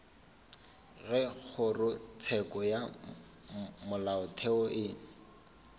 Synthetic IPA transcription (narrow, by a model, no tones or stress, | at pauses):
ɣɛk͡xʰʊrʊt͡sʰɛkɔja | mʊlaʊtʰɛɔʔɪːŋ̩